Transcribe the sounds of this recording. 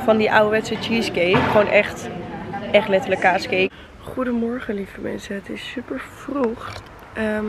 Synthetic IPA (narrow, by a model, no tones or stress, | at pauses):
fɑndiʔawəʋɛtsət͡ʃiːskejkχownʔɛχt | ʔɛχtlɛtəɹləkaːskej | χudəmɔɹχəlifəmɛ̰nsəətɪsːypəɹfruχ | ə